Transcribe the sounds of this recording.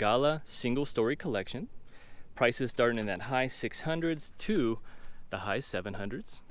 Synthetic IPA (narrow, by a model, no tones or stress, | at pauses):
ɡ̥ɑlˠəsɪ̃ŋɡl̩ˠstɔɹikʰəlɛkʃɨ̃n | pʰɹ̥aɪsɨz̥dɑɹɾ̃ŋɨ̃nðɨt̚haɪsɪkshʌ̃ndɹɨdz̥tʰɨðəhaɪsɛvɨ̃nɦʌ̃ndɹɨdz̥